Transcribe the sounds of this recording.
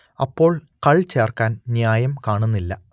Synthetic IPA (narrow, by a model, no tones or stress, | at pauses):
ɐpːo̞ːɭkɐɭt͡ɕe̞ːrkaːnnjaːjɐmkaːɳunːilːɐ